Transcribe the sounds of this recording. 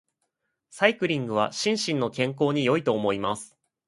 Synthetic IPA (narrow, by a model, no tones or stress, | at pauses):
saikɯ̟ɾʲĩŋɡɯ̟β̞a̰ɕĩɰ̃ɕĩnːo̞kẽ̞ŋko̞ːɲ̟ijo̞it̪o̞ːmo̞imasɨ̥